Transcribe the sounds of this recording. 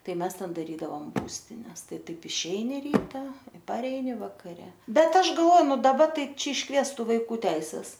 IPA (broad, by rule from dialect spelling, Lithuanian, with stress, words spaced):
ˈtɐɪ ˈmʲɛs ˈtʲɛn dɐˈrʲiːdɐʋoːm ˈbuːsʲtʲɪnʲɛs ˈtɐɪ ˈtɐɪp ɪʃʲˈɛɪnʲɪ ˈrʲiːtɐ ɪ pɐˈrʲɛɪnʲɪ ʋɐkɐˈrʲɛ ˈbʲɛt ˈɐʃ ɡɐlˠˈʋoː ˈnʊ dɐˈbɐ ˈtɐɪ ˈt͡ʃʲɛ ɪʃˈkʋʲiɛstʊ ʋɐɪˈkuː ˈtʲɛɪsʲɛs